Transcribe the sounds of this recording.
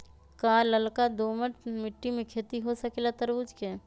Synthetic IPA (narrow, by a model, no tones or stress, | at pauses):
kaːləlkad̪oːməʈmɪʈːimẽkʰeːt̪iɦosəkelat̪əɾud͡ʒkeː